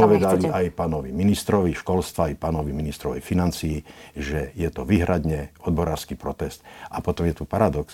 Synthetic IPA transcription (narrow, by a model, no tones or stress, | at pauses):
ɔʋɛd̪aliajpaːnɔʋiminist̪ɾɔʋiʃkɔlst̪ʋajpaːnɔʋiminist̪ɾɔʋɛ̰jfinant͡siːʒɛjɛt̪ɔʋiɦɾad̪ɲɛɔd̪̚bɔɾaːɾskipɾɔt̪ɛst̪apɔt̪ɔmjɛt̪upaɾad̪ɔks